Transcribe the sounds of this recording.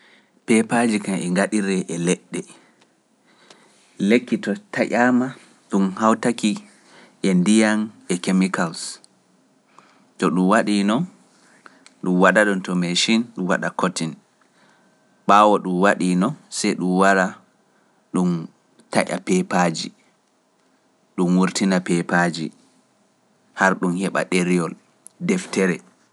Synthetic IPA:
pɛpad͡ʒikamɛŋɡaɗiɾɛʔɛlɛɗːɛ | lekːitɔtʰaʔama | ɗumhawtaki | ʔɛndijanɛkemikals | tɔɗumwaɗinɔ | ɗumwaɗaɗɔntɔmeʃinɗumwaɗakotin | ɓawɔɗumwaɗinɔsɛjɗumwaɾa | ɗum | taʔa̰pɛpad͡ʒḭ | ɗumwuɾtinapɛpad͡ʒḭ | haɾɗumhɛɓa̰ɗeɾijɔl | dɛftɛɾɛ

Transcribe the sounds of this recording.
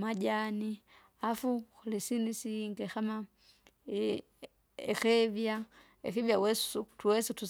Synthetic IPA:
maɟani | afuxulisinisiŋɡexama | ḛxevja | ḛxivjawesu̥utuwesutu

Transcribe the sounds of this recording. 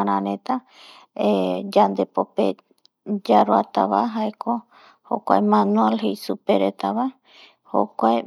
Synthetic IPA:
aɾãɾẽt̪a | ed͡ʒand̪epope | d͡ʒaɾoa̰t̪a̰βaɦaeko | ho̰kʷa̰emãnũelɦejsupeɾet̪aβa | ho̰kʷae

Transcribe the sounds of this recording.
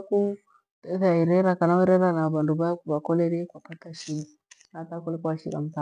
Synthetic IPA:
ku | tesaiɾɛɾakanaɛɾɛɾanaβanduβajakuβakɔleɾikwapataʃininatakɔlikuwaʃiɾa̰m̩ta

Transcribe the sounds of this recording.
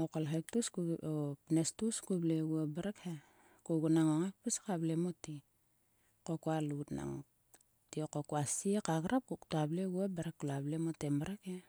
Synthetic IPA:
okolɦek̚tuskuopnestuskubleuabaɾeke | kuɡunaŋoŋek̚piskablemoti | kokualutna̰ŋo̰ | tiokokuasiekaɡɾap̚kuktableuabeɾakːulablemotembaɾake

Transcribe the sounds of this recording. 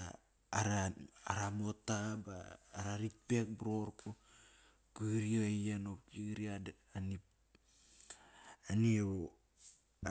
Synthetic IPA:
aː | ɾaaɾamotaba̰ːɾaɾit̚pe̞k̚bɾo̞ɾku | kiɡɾioejanokiɡɾia | ani | ani

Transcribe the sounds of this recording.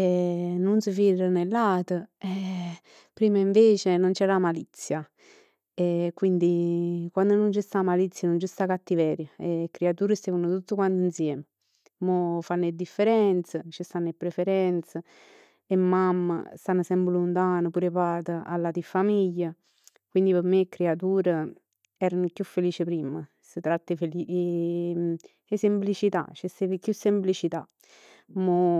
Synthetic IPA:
ɛnunsəfirənelːaːt̪əɛ | pɾiːməiɱveːt͡ʃenont͡ʃɛɾamalit̪sːja | ɛkwind̪ikwand̪ʊnunt͡ʃist̪amalit̪sːjanunt͡ʃist̪akat̪ːivɛːɾjəekːɾeat̪uːɾəst̪ɛvunʊt̪ut̪ːəkwant̪insjɛːmə | mofanːed̪ifːeɾɛnt̪sət͡ʃist̪anːepːɾefeɾɛnt̪sə | emːamːə̰st̪anːəsɛmbəlunt̪aːnəpuːɾepaːt̪əa̰lːat̪ifːamiʎːa | kwind̪ipəɾmekːɾeat̪̬uːɾə | ɛːɾənʊkjufːeliːt͡ʃɪpɾiːmə | sit̪ɾat̪ːəfeli | esemplit͡ʃit̪a̰t͡ʃɛsevkjusːemplit͡ʃit̪a | mo

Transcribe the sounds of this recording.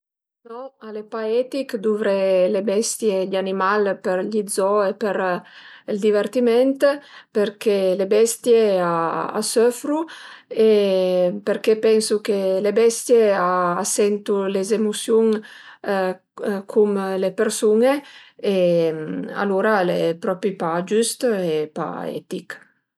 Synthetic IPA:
nɔalepaɛt̪ikd̪uvɾelebɛst̪jeʎanimalpeɾʎid̪zɔepeɾ | ld̪ivert̪imɛnt̪peɾkelebɛst̪jeaa̰søfɾue | peɾkepɛnsukelebɛst̪jeaːsɛnt̪ulezemusjuŋ | kʰumlepeɾsunee | a̰luɾalepɾɔpɾipad͡ʒyst̪epa̰ɛ̰t̪ik

